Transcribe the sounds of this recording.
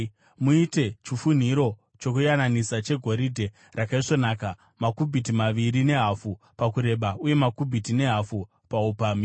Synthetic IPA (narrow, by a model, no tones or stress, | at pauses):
muite̞t͡ʃifun̤iɾo̞ | t͡ʃo̞kujananisat͡ʃe̞ɡʱo̞ɾidʱe̞ | rakaiʂo̞naːka | makubʱitimaʋiɾine̞ɦafu | pakuɾe̞ɓauje̞makubʱitine̞ɦafu | paupaːmi